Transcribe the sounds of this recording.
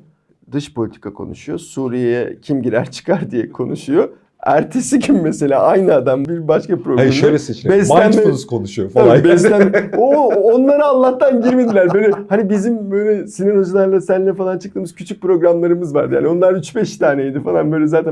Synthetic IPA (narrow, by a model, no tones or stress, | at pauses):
d̪ɯʃpʰo̞lʲit̪ʰi̥kʰakʰo̞̰nṵʃujosuːɾijɛcʰimɟiɾæ̰ɾt͡ʃʰɯ̥kʰaɾd̪ijɛkʰo̞nuʃujo̞ | æ̰ɾt̪ʰe̞sicʰimmːese̞lʲaːʔajnɯad̪ambiɾbaʃkapɾoɡaamʃøjlʲɛset͡ʃibɛsalʲænmɛonuz̥kʰonuʃujofabɛslʲænoːnlˠaɾɯanllːˠaht̪ːanɟiɾmed̪ilʲæɾbøjlʲɛhanibizimbø̞ːjlʲɛsinino̞d͡ʒulˠaɾlˠasænlʲːɛfalˠant͡ʃʰɯ̥k̚t̪ɯːmɯz̥cʰyt͡ʃʰyc̚pɾo̞ɡɾamlˠaɾɯmɯzvaɾd̪ɯja̰ːnio̞nˠaɾyt͡ʃbɛʃt̪ʰaːnejid̪ifalˠanbø̞jlʲɛzaːt̪ʰæ